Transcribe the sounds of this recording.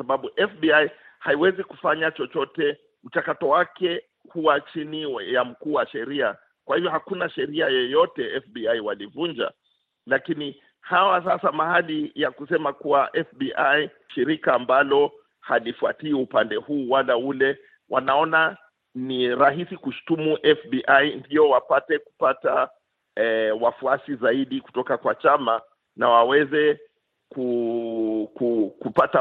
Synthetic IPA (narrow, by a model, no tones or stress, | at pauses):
saɓaɓuʔɛfbiaj | haiwɛziku̥faɲat͡ʃɔt͡ʃɔtɛ | m̩t͡ʃakatɔwakɛ | huwat͡ʃinijam̩kuːwaʃɛɾia | kwahivjɔhakunaʃɛɾiajɛjɔtɛɛfbiaiwalivund͡ʒa̰ | lakini | hawasasamahalijakusɛmakuwaʔɛfbiʔaji | ʃiɾikaːmbalɔ | halifuatiiupandɛhuːwalaulɛ | wʔanaɔna | niɾaɦisikuʃu̥tumuʔɛfbiʔajndiɔwapatɛku̥pata | ɛwafuasizaiɗiku̥tɔkakwat͡ʃama | nawawɛzɛ | ku | kukupata